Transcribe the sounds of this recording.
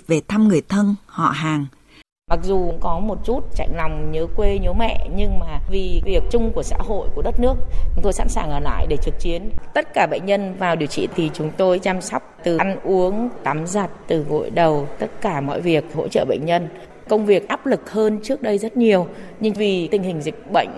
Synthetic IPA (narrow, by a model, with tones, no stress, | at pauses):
ve˨˩t̪ʰa˧mŋɨ˨˩əjt̪ʰə˧nhɔ̰˧˨ɦaː˨˩ŋ | ma˨˩k̚zu˨˩˧ŋ͡mkɔ˨˦mo˨˩t̚t͡ɕu˦˥t̚t͡ɕa̰˧˨jŋ̟la˨˩wŋ͡mɲəː˨˦kwe˧ɲo˨˦mɛ̰˧˨ɲɨ˧ŋmaː˨˩vi˨˩vi˨˩ək̚t͡ɕʊ˧ŋ͡mku˧˩əsa̰ː˧˥ɦo̰˧˨jku˧˩əɗə˦˥t̚nɨ˦˥ək̚t͡ɕʊ˨˦ŋ͡mt̪o˧jsa̰˧˥nsaː˨˩ŋʔəː˧˩la̰ː˧˨jɗe˧˩t͡ɕɨ˨˩k̚t͡ɕi˨˦ənt̪ə˦˥t̚kaː˧˩ɓə̰˧˨ŋ̟ɲə˧nvaː˨˩wɗi˨˩əwt͡ɕḭ˧˨t̪ʰi˨˩t͡ɕʊ˨˦ŋ͡mt̪o˧jt͡ɕaː˧msɔ˦˥wk͡p̚t̪ɨ˨˩ʔnʔu˨˦əŋt̪aː˨˦mza˨˩t̚t̪ɨ˨˩ɣo̰˧˨jɗə˨˩wt̪ə˦˥t̚kaː˧˩mɔ̰˧˨jvi˨˩ək̚ho̰˧˥t͡ɕə̰ː˧˨ɓə̰˧˨jŋ̟ɲə˧n | kə˧wŋ͡mvi˨˩ək̚ʔaː˦˥p̚lɨ˨˩k̚həː˧nt͡ɕɨ˦˥ək̚ɗə˧jzə˦˥t̚ɲi˨˩əwɲɨ˧ŋvi˨˩t̪ï˨˩ŋ̟hï˨˩ŋ̟zï˨˩k̟̚ɓə̰˧˨jŋ̟